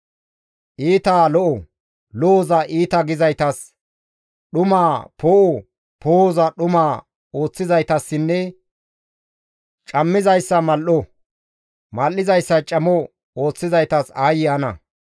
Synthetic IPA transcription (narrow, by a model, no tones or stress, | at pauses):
ʔiːt̪aːlɔʔɔ | lɔɔzɐʔiːt̪ɐɡɪzɐjt̪ɐs | ɗʊmaːpoːʔɔ | poːzɐɗʊmaː | o̞ːt͡sːɪzɐjt̪ɐsːɪnːɛ | t͡ʃʼɐmːɪzɐjsːɐmɐlʔɔ | mɐlːɪzɐjsːɐt͡ʃʼɐmɔ | o̞ːt͡sːɪzɐjt̪ɐsaːjɪjɐnɐ̰